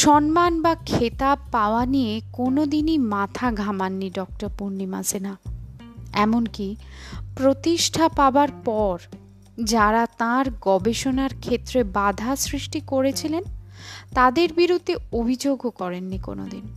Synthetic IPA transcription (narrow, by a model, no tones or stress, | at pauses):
ʃɔnmanbakʰet̪ab̚paoanijekonod̪inimat̪ʰaɡʱamanːiɖɔk̚ʈaɾpuɾnːima̰sina | ɛmonkipɾot̪iʃʈʰapaoaɾpɔɾ | d͡ʑaɾat̪ãɾɡɔbeʃonaɾkʰet̪ːɾebad̪ʱasɾiʃʈikoɾet͡ɕʰilent̪ad̪eɾbiɾud̪ʱːeobʱid͡ʑoɡokɔɾenːiko̰no̰d̪in